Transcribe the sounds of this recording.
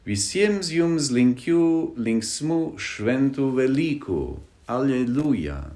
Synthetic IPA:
visjemsjumzliŋkʰjuliŋksmuʃvɛnt̪uvɛlikʰṵ | aleluja̰

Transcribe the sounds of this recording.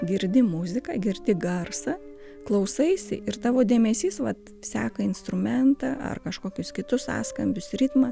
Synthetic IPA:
ɡʲɪɾʲd̪ʲɪmʊzʲɪkɑɡʲɪɾʲd̪ʲɪɡɐrsɐ | klˠɐʊsɐɪsʲɪ̰ʔɪrt̪ɑːʋoːd̪ʲeːmʲɛsʲiːsʋɐt̪ | sʲæːkɐɪnst̪ɾʊmʲɛnt̪ɑːʔɐ̰rkɐʃkoːkʲʊskʲɪt̪ʊssɑ̰ːskɐmʲbʲʊsrʲɪt̪mɐ

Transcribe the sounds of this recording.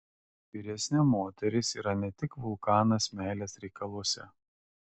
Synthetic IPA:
ʋʲiɾʲɛsʲnʲɪmoːt̪ʲɛɾʲɪsiːɾɐnʲɛt̪ʲɪkʋʊlˠkɑːnɐsmʲæːlʲesɾʲɛɪkɐlˠɔsʲɛ̰

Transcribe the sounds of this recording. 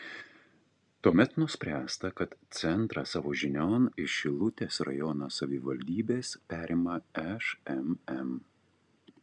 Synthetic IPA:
t̪uɔmʲɛt̪nʊsʲpʲɾʲæːst̪ɐkɐt̪t̪sʲɛnˑt̪ɾɑsɑːʋoːʒʲɪnʲoːnɪʃʲɪlˠʊt̪ʲeːsɾɐ̰jɔnosɐʋʲɪʋɐlʲd̪ʲiːbʲeːspʲæːɾʲɪːmɐɛʃɛmɛm

